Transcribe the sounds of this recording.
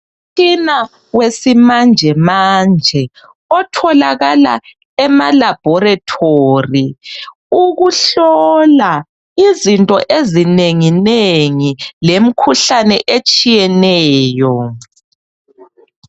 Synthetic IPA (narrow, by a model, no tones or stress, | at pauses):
t͡ʃʼina | wesimand͡ʒʱɛmaːnd͡ʒʱɛ | ɔtʰɔlaɣala | ɛmalab̥ʱɔratʰoːri | uɣuɬɔla | izintʼɔʔezineŋineŋilem̩kʰuɬanɛʔet͡ʃʼijɛnɛːjɔ